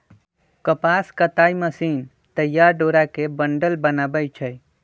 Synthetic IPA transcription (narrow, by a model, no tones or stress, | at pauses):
kəpaːskət̪aːiməsiːn | t̪əjːaːɾɖoːɾakebəɳɖəlbənaːbəjt͡ʃʰəj